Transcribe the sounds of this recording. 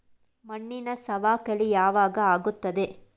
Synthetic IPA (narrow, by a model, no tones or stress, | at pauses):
mɐɳːinɐsɐʋaːkɐɭijaːʋaːɡɐaːɡut̪ːɐd̪e̞